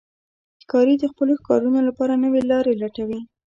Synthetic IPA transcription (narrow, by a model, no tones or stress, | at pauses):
kɑɾid̪əxpəloxkɑ̰ɾunolapɑɾanəwelɑɾelaʈawi